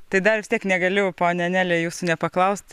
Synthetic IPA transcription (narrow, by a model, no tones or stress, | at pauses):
t̪ɐɪd̪ɐrʋʲɪsʲt̪ʲiɛknʲɛɡɐlʲʊpoːnʲɛɐnʲæːlʲejuːsuːnʲɛpɐklˠɐʊsʲt̪ʲ